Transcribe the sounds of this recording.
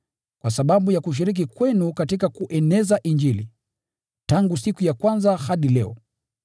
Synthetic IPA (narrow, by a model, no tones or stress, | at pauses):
kwasaɓaɓujakuʃ̬iɾik̬ikwɛnukatikakuʔɛnɛzaʔiɲd͡ʒilḭ | taŋɡusikujakwanzahaɗilɛɔ̰